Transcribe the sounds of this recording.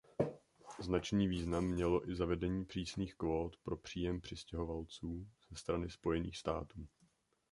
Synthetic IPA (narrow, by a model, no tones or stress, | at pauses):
znat͡ʃniːviːznamːɲɛlo̞ʔɪzavɛdɛɲiːpr̥iːsniːxkvo̞ːt̪pɾo̞pr̝̥iːjɛmpr̝̥ɪscɛɦo̞valt͡suːz̥ɛst̪ɾanɪspo̞jɛnḭːxst̪a̰ːt̪uː